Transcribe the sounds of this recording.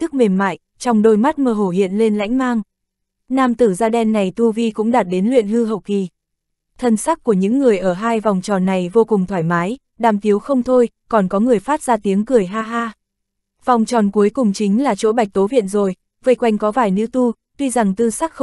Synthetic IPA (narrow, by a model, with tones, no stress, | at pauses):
t̪ɨ˦˥k̚me˨˩nma̰ː˧˨jʔ | t͡ɕɔ˧wŋ͡mɗo˧jma˦˥t̚məː˧ɦo˧˩hḭ˧˨ənle˧nla̰˧˥jŋ̟maː˧ŋ | naː˧mt̪ɨ˧˩zaː˧ɗɛ˧nːa˨˩jt̪u˧vi˧kʊ̰˧˥ŋ͡mɗaː˨˩t̚ɗe˨˦nlwḭ˧˨ənhɨ˧ɦə̰˧˨wki˨˩ | t̪ʰə˨˩nsa˦˥k̚ku˧˩əɲɨ̰˧˥ŋːɨ˨˩əjʔəː˧˩ɦaː˧jva˨˩wŋ͡mt͡ɕɔ˨˩nːa˨˩jvo˧kʊ˨˩ŋ͡mt̪ʰwaː˧˩jmaː˨˦j | ɗaː˨˩mt̪i˨˦əwxə˧wŋ͡mt̪ʰo˧j | kɔ˨˩nkɔ˨˦ŋɨ˨˩əjfaː˦˥t̚zaː˧t̪i˨˦əŋkɨ˨˩əjɦaː˧ɦaː˧ | v̥a˨˩wŋ͡mt͡ɕɔ˨˩nku˨˦əjkʊ˨˩ŋ͡mt͡ɕï˨˦ŋ̟laː˨˩t͡ɕo̰˧˥ɓa˨˩jk̚t̪o˨˦vḭ˧˨ənzo˨˩j | və˨˦jkwa˧jŋ̟kɔ˨˦vaː˧˩jnɨ̰˧˥t̪u˧ | t̪wi˧za˨˩ŋt̪ɨ˧sa˦˥k̚x